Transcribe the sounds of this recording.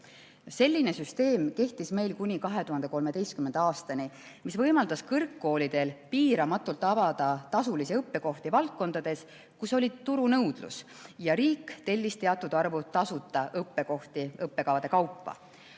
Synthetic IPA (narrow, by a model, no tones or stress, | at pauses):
se̞lʲːine̞syst̪e̞ːmke̞ht̪isme̞jlkunʲikɑɦe̞t̪uhɑnd̪e̞ko̞lme̞d̪e̞jst̪̚kymend̪̥ɑːst̪ɑni | misvɤjmɑld̪̥ɑskɤrkːo̞ːlid̪̥e̞lpiːɾɑmɑt̪ːˑult̪ːˑɑbɑd̪̥ɑt̪ɑsulisiɤpːe̞ko̞ht̪ivɑlt̪̚ko̞nd̪̥ɑd̪̥e̞s | kuso̞lʲit̪ːuɾunɤwd̪̥lṵs | jɑɾiːkːt̪e̞lʲːist̪e̞ɑt̪ːˑud̪̥ɑrvut̪ɑsut̪ːˑɑɤpːe̞ko̞ht̪iɤpːe̞kɑvɑd̪̥e̞kɑwpːɑ̰